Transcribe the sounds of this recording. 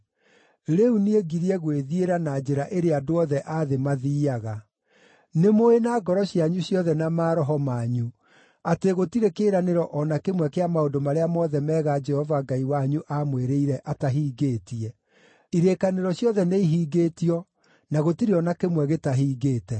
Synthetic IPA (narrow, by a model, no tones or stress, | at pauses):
ɾeunieɡiɾiɛɣweðieɾanad͡ʒeɾaʔeɾeadoɔðɛʔaðemaðiːaɣa | nemoenaːɡɔɾɔɕjaɲuɕjɔðɛnamaːɾɔɦɔmaːɲu | ateɣotiɾekeːɾaneɾɔʔɔnakemwɛkeamaodomaɾeamɔðɛmɛːɣad͡ʒɛhɔvaŋɡaiwaɲuʔamweɾeiɾɛʔataɦiːɡeːtiɛ | iɾeːkaneɾɔɕjɔðɛneiɦiːɡetiɔ | naɣotiɾeɔnakemwɛɣetaɦiːɡeːtɛ